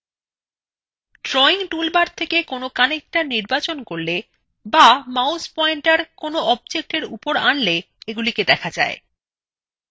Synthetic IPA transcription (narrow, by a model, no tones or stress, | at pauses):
ʈɾɔiŋʈulbaɾt̪ʰekekonokanek̚ʈaniɾbat͡ɕonkoɾle | bamawspɔeɳʈaɾkonoɔb̚d͡ʑek̚ʈeɾupoɾanle | eɡuliked̪ɛkʰad͡ʑa̰e